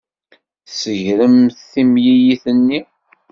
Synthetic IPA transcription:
səʝɾəmθθimjijiθənːi

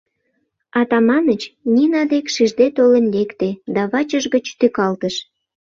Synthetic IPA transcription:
ɑt̪ɑmɑnət͡ɕnʲinɑd̪ekʃiʒd̪et̪olənlʲekt̪ed̪ɑβɑt͡ɕəʒɡət͡ɕt̪økɑlt̪əʃ

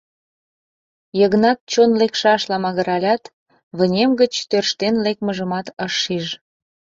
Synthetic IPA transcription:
jəɣnɑt̪̚t͡ɕonlekʃɑʃlɑmɑɣəɾɑlʲɑt̪ | βə̆nʲemɡət͡ɕt̪ørʃt̪enlek̚məʒəmɑt̪əʃːiʒ

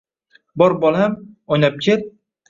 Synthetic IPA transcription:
bɒɾbɒlˠamɒjnap̚kʲʰet̪̚

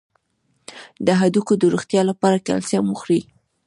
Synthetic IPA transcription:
d̪əɦad̪ukod̪əɾuxt̪jɑlapɑɾaka̰lsamuxɾi

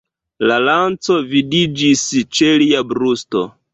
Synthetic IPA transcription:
lalant͡so̞vidid͡ʒist͡ʃeliabɾusto̞̰

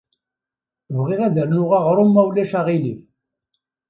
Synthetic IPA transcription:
vʁɪʁæðəɾnʊʁɑʁɾˤomːæwlæʃaʁiliθ

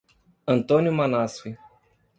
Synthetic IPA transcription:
ənt̪onʲjumanasuj

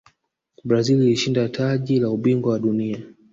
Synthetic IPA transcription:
bɾazililiʃindatʰaʄilauɓiŋɡwawaɗunia

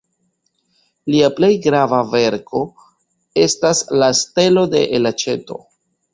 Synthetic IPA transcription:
liaple̞jɡɾavave̞ɾkʰo̞ | e̞staslaste̞lo̞de̞̰ʔelat͡ʃe̞to̞̰

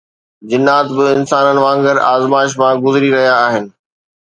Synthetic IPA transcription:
d͡ʑɪnːaːt̪bɪɪnsaːnənɪ̆ʋãːŋɡəɾaːzmaːɪʃ̬mãɡʊzɾiɾɐɦijaːɦɪnɪ̆

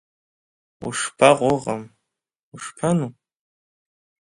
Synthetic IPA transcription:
ṵʂpʰaʁʷʊʁam | uʂpʰanu

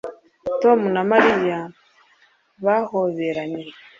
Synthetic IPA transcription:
tomunamaɾija | βahoβeɾani

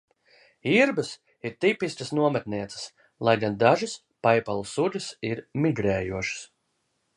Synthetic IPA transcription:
iɾbɨs | iɾt̪ipiskəsnuɔmat̪niɛt̪sɨ̥s | lˠajɡand̪aʒɨs | pajpalˠusulɨsiɾmiɡɾɛːjuɔʃɨ̥s

